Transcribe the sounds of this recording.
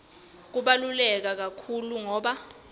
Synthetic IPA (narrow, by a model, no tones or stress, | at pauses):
k̬uɓalulɛk̬ak̬akʰuluŋɔːɓa